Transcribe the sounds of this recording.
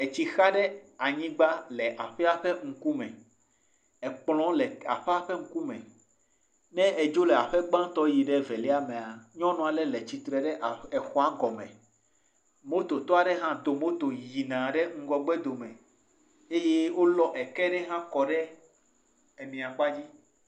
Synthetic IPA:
e˨t͡ɕi˨xa˦ɖɛ˦a˨ɲĩ˦ɡ͡ba˦lɛ˨ʔa˨ɸɛ˦a˨ɸɛ˦ŋ̩˦ku˦mɛ̃˨ | ɛ˨k͡plɔ̃˦lɛ˨a̰˨ɸɛ˦a˦ɸe˦ŋ̩˦ku˦mɛ̰̃˨ | nɛ̃˦e˨d͡ʒo˦lɛ˨a˨ɸɛ˦ɡ͡bã˦t̪ɔ˦ji˨ɖɛ˦vɛ˨lɛ˦a˦mẽ˨a˨ɲɔ̃˦nɔ̃˨a˨lɛ˨lɛ˨t͡ɕi˨t̪ɾɛ˨ɖɛ˦ʔɛ˨xɔ˦a˦ɡɔ˨mɛ̰̃˨ | mo˦t̪o˨t̪ɔ˦a˨ɖe˦ɦã˦d̪o˨mo˦t̪o˨ji˨nã˨ɖɛ˦ŋ̩˦ɡɔ˨ɡ͡bɛ˦d̪o˨mɛ̃˨ | e˦je˦wo˦lɔ˦ʔɛ˨kɛ˦ɖɛ˦ɦã˦kɔ˨ɖɛ˦ | e˨mĩ˨a˨k͡pa˦d͡ʑi˦

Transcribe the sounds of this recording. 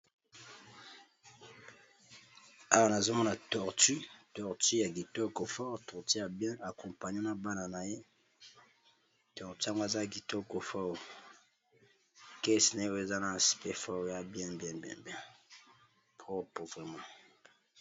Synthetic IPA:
a˦wa˦na˨zo˦mɔ˦na˨tɔ˨ʁty˦tɔ˨ʁty˦ja˨ɡi˨tɔ˦ko˨fɔ˦ʁtɔ˨ʁti˦ja˨bjɛ̃˦a˨kɔ̃˨mpa˨ɲe˦na˨ba˦na˨na˨je˦ | tɔ˨ʁti˦a˦ŋɡo˦e˨za˦ɡi˨to˦ko˨fɔ˦ | kɛ˦sna˨e˦wo˦e˨za˦na˨spɛ˦fɔ˦˨˦ja˦bjɛ̃˦bjɛ̃˦bjɛ̰̃˦bɛ̃˦ | pɔ˦po˨vʁɛ˨mã˦

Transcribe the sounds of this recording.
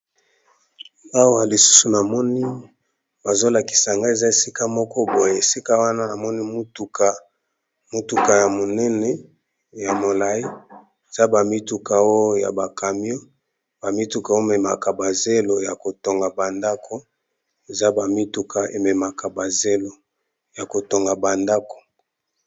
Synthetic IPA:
a˦wa˨li˨su̥˦su˨na˨mɔ˦ni˦ | ba˨zo˦la˨ki̥˨sa˨ŋɡa˦e˨za˦e˨si˦ka˦mɔ˦kɔ˦bo˨je˨e˨si˦ka˦wa˦na˦na˨mɔ˦ni˦mu˦tu˨kʰa˨ | mu˦tu˨ka˨ja˨mo˨nɛ˦nɛ˦ | ja˨mo˨la˨i˦ | e˨za˦ba˨mi˦tu˨ka˨o˦ja̰˨ba˨ka˨mi˦o˦ | ba˨mi˦tu˨ka˨o˦mɛ˨ma̰˨ka˨ba˨ze˦lo˨ja˨ko˨to˨ŋɡa˨ba˨nda˦kʰo˦ | e˨za˦ba˨mi˦tu˨kʰa˨e˨me˨ma˨ka˨ba˨ze˦lo˨ | ja˨ko˨to˨ŋɡa˨ba˨nda˦ko̥˨

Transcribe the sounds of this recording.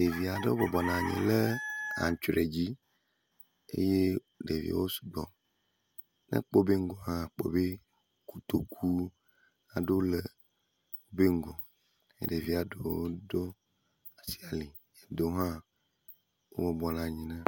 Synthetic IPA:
ɖe˨vi˨a˨ɖe˦wo˦bɔ˨bɔ˨nã˨ɲḭ̃˨le˦ã̰˨ɲ˨t͡ʃɾe˨d͡ʑi˦ | ḛ˦je˦ | ɖe˨vḭ˨wo˦su̥˨ɡ͡bɔ˨ | nḛ̃˦k͡po˦be˦ŋ̩˦ɡo˨hã˦˨k͡po̰˦be˦ | ku˦t̪o˨kʰu˦ | a˨ɖo˦le˨ | wo˦be˦ŋ˦ɡɔ˨ | ḛ˨ɖe˨vi˨a˨ɖe˦wo˦ɖo˦ | a˨si˦a˨li˨ | e˨d̪o˨˦ɦã˦ | wo̰˦bɔ˨bɔ˨nã˨ɲĩ˨nã˦

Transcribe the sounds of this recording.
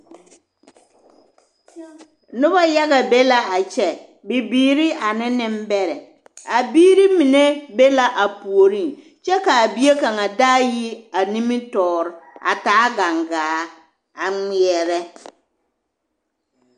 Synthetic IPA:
nʊ˦ba˦ja˦ɣa˨be˦la˦a˨t͡ʃɛ˨ | bi˨biː˨ɾi˦ʔa˨nɪ˦nɪ˦mbɛ˦ɾɛ˨ | a˨biː˦ɾi˦mi˨ne˦be˦la˦ʔa˨pu˨o˨ɾi˦˨ | t͡ʃɛ˦ka˨a˨bi˦e˦ka˨ŋa˨daː˦ji˦a˨ni˦mi˦tɔː˨ɾɪ˨a̰˨taː˦ɡa˨ŋɡaː˨˦ | a˨ŋi˨ɛ˨ɾɛ˦

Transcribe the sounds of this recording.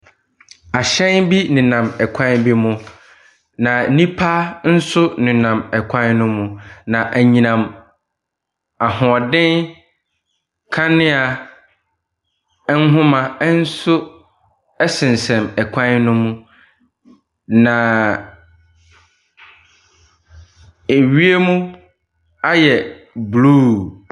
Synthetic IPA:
a˨ɕɛ̃˦nbi˦nɪ̃˨nã˨mɛ˨kʷʰã˦nbi˦mʊ̃˦ | nã˨˦nĩ˦pʰa˦n̩˦sʊ˦nɪ̃˨nã˨mɛ˨kʷʰã˦nnʊ̃˦mũ˨nã˨ʔæ˨ɲĩ˨nã˨m | a˨hɔ̃˨ɔ˨dɪ̃˦n | kʰa˦nɪ̃˦a˨˦ | n̩˦ɦʊ̃˦mã˨˦n̩˦sʊ˦ | ɛ˦sɪ̃˨n˨sɛ̃˨mɛ˨kʷʰã˦nnʊ̃˦mũ˦ | nã˨ | e˨ɥi˦e˦mũ˦ | a˦jɛ˨ | bluː˦

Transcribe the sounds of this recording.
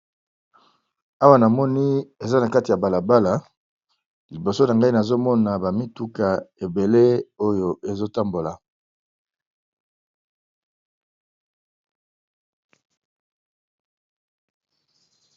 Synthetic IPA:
a˦wa˦na˨mɔ˦ni˦e˨za˦na˨ka˦ti˨ja˨ba˨la˨ba˦la˨ | li˨bo˨so˦na˨ŋɡa˦i˦na˨zo˦mɔ˦na˨ba˨mi˦tu˦ka˨e˨be˨le˦o˦jo˨e˨zo˦ta˦mbo˨la˨

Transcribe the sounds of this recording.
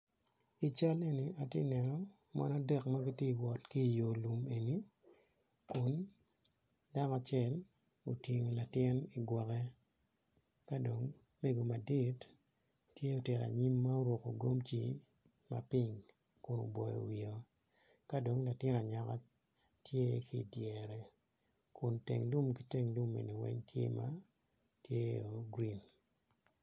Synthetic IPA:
i˨t͡ʃa˦le˦ni˨a˨tjḛ˦nɛ˨nɔ˦ | ma̰˦na˦dɛ˦kma˦ɡi˦ti˦˨wɔ˨tki˦˨jo˨lu˨me˨ni˦ | kʊ˦n | da˦ŋa˨t͡ʃjɛ˦l | o˨ti˨ŋo˨la˨tɪ˦ni˨ɡwɔ˨kɛ˦ | ka˦do˨ŋ | me˦ɡo˨ma˨di˦tː | je˦o˨tɛ˨ka̰˨ɲi˦mːa˦o˦ɾwo˨ko˨ɡo˦mt͡ʃi˨ | ma̰˨pɪ˦ŋ | kʊ˨no̰˨bɔ˨jo̰˨wi˨o˨ | ka˦do˨ŋla˨tɪ˦na˨ɲa˨ka˦ | tje˦kʰi˨djɛ˨ɾɛ˨ | kʰʊ˨ntḛ˨ŋdu˦mki˦te˦ŋdu˦mḛ˨ni˨wɛ̰˦ɲtʰjḛ˦ma̰˦ | tje˦o˨ɡɾi˦n

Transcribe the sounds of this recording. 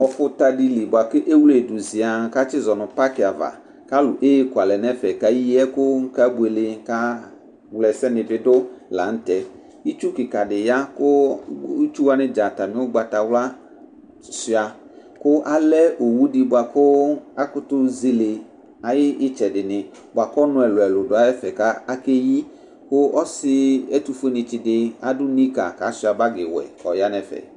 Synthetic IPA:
ɔ˨fʊ˦ta˦di˦li˨bʊ˨a˨kɪ˦ʔe˦wu˦le˨dʊ˨zɪ˨a˨˦ka˦t͡ʃɪ˦zɔ˨nʊ˨pa˦kɪ˨a˨va̰˨ | ka˦lʊ˨ʔe˦kwa˨lɛ˨nɛ˦fɛ˨ka˨ji˦ɛ˦kʊ˦ŋ̩˦ka˦bu˨e˨lɪ˨ŋ˦ka˦ | wlɛ˨sɛ˦nɪ̃˨vɪ˨dʊ˦la̰˨n̩˦tɛ˨ | i˦t͡ʃu˦kɪ˨ka˨dɪ˨ja˦kʊ˦ | t͡ʃu˦wa˦nɪ̃˦d͡ʒa˨ta˨mɪ̃˦ʊ˦ɡ͡ba˨ta˨wla˦ | si˦a˨ | kʊ˦ʔa˦lɛ˦ʔo˨wu˦di˨bwa˨kʊ˦a˦kʊ˦t̪ʊ˦zi˨le˨ | a˨jɪ˦ɪ˦t͡ʃɛ˨ɖɪ˨nɪ̃˨ | bʊ˨a˨kɔ˦nʊ̃˨ɛ˨lʊ˨ɛ˨lʊ˨dʊ˨a˨jɛ˦fɛ˨ka˦a˦ke˦ji˦ | kʊ˦ɔ˦sɪ˦ɛ˦t̪u˨fe˦nɪ̃˨t͡ʃi˨dɪ˨˦a˦dʊ˦nĩ˦ka̰˨ka˨˦si˦a˨ba˦ɡɪ˨wɛ̰˨ɔ˨ja˦nɛ˨fɛ̰˨

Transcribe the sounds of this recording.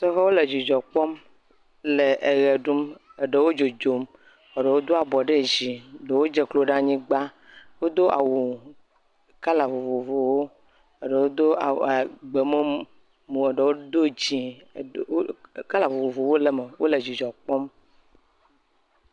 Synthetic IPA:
sɔ˦ɣɔ˦wo˦le˨d͡ʑi˨d͡ʒɔ˨k͡pɔ˦m | le˨ʔe˨ɣe˨ɖu˦me˨ɖe˨wo˦d͡ʒo˨d͡ʒo˨m | e˨ɖe˨wo˦d̪o˦a˨bɔ˨ɖe˦d͡ʑi˨ɖe˨wo˦d͡ʒe˨klo˦ɖã˦ɲĩ˦ɡ͡ba˦ | wo˦d̪o˦ʔa̰˨wu˨ | ka˦la˨vo˨vo˨vo˨wo˦ | e˨ɖe˨wo˦d̪o˦˨a˨ɡ͡be˨me˦ | mũ˨e˨ɖe˨wo˦d̪o˦d͡ʑi˨˦ | ka˦la˨vo˨vo˨vo˨wo˦le˨me˨wʔo̰˦le˨d͡ʒi˨d͡ʒɔ˨k͡pɔ˦m

